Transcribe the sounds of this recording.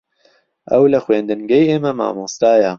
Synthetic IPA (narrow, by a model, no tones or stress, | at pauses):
ʔɐwlɐxweːnd̪ɨnɡɛjeːmɛma̰ːmoːst̪aːja